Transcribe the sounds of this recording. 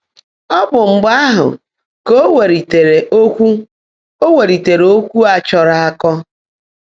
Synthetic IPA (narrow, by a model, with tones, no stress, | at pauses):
ɔ˦bʊ˨ŋ͡m̩˨ɡ͡ba˦a˦ɦʊ̰˨ | ko˦we˨ɾi˨te˨ɾe˨ʔo˦kʷu˦ | o˦we˨ɾi˨te˨ɾo˦kʷu˦a˨t͡ʃɔ˨ɾa˦a˦kɔ˦